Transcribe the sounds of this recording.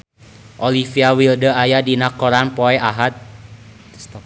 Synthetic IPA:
ʔɔlifiawildəajadinakːɔɾanpɔɛaɦat̪̚

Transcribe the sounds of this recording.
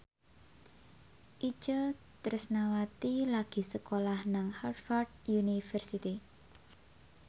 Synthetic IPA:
ʔit͡ʃət̪əɾəsnawat̪ilaɡ̥i̤səkolahnaŋhart̪fardjunifərsit̪i

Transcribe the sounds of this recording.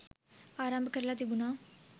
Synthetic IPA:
aːɾaːmbɐkɐɾlaːt̪ibunaː

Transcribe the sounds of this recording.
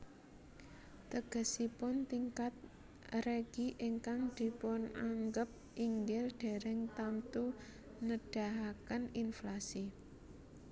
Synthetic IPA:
t̪əɡ̥ə̤sipʊnt̪iŋkat̪̚ | reɡ̥iʔiŋkaŋd̪̥i̤pʊnaŋɡəp̚ | iŋɡɪlɖ̥e̤ɾɪŋt̪amt̪u | nəɖ̥a̤ɦakəninflasi

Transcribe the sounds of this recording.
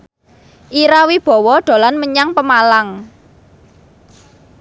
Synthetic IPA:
ʔiɾawib̥ɔ̤wɔɖ̪̥o̤lanməɲaŋpəmalaŋ

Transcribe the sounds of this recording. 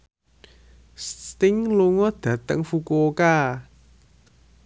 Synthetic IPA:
st̪ɪŋluŋɔd̪̥ä̤t̪ə̰ŋfukuka

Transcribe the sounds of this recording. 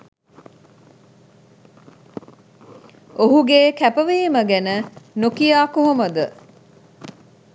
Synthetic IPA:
oɦuɡeːkæpəʋijiməɡænənokijaːkoɦoməd̪ə

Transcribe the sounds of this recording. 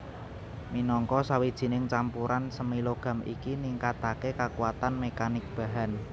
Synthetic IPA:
minɔŋkɔsawid̥ʒ̥i̤nɪŋt͡ʃampuɾʔansəmiloɡ̥a̤mʔḭkiniŋkat̪akekakuwat̪anmekanɪk̚b̥a̤ɦan

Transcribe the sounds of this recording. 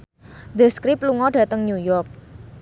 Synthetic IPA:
d̪əskɾɪp̚luŋɔdɖ̥ä̤t̪əŋɲujɔrk̚

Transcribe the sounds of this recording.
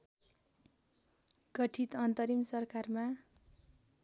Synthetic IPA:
ɡʌʈʰit̪ʌnt̪ʌɾimsʌrkarma

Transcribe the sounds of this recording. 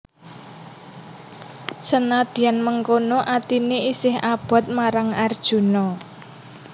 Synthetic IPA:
sənad̪̥i̤anməŋkonoʔat̪ineʔisɪhab̥ɔ̤t̪̚maɾaŋard̥ʒ̥ṳnɔ

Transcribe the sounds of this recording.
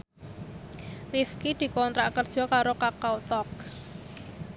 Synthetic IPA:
rifkid̪̥i̤kɔnt̪ɾaʔkərd̥ʒ̥ɔ̤kaɾokakawt̪ɔk̚

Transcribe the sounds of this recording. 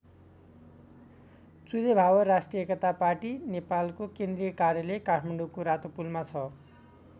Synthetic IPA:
t͡sulebʱawʌɾasʈrijʌekʌt̪apaʈinepalkokend̪rijʌkarjʌlekaʈʰmaɳɖukoɾat̪opulmat͡sʰʌ

